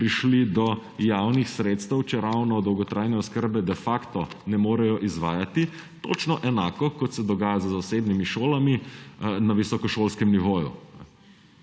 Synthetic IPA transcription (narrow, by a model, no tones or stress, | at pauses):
pɾiʃlid̪ɔjaːwnixsɾeːt̪st̪ɛwt͡ʃɛɾawnɔd̪ɔwɡɔt̪ɾʔaːjnɛɔskəɾbɛd̪ɛfakt̪ɔnɛmoːɾɛjɔʔizʋaːjat̪i | t̪o̰t͡ʃnɔʔɛnaːkɔkɔt̪sɛd̪ɔɡaːjazəzaseːbnimiʃoːlaminaʋisɔkɔʃoːlskɛmniʋoːjṵ